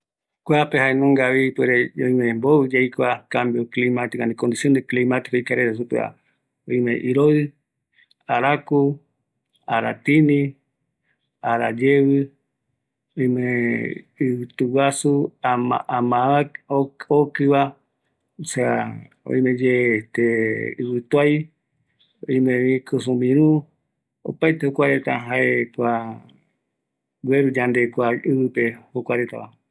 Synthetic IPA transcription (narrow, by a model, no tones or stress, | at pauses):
kʷapehaenũŋɡaβipweɾeõĩmemboɨd͡ʒejkakambjoklimat̪ikanĩkond̪isjond̪eklimat̪i̥kojkaɾeɾasupḛa̰ | õjmḛ̃ʔiɾoðɨ | aɾaku | aɾat̪inĩ | aɾad͡ʒeβɨ | oĩme | ɨwɨt̪uwasuaa̰amãa | okɨβa | sa | o̰ĩmẽd͡ʒet̪eɨβɨt̪uaj | õ̰ĩmẽβĩkɨsũmĩɾ̃ũ | o̰pajt̪ehokʷaɾet̪aɦaekʷa | weɾud͡ʒand̪ekʷaɨβɨpehokʷaɾet̪a̰βa̰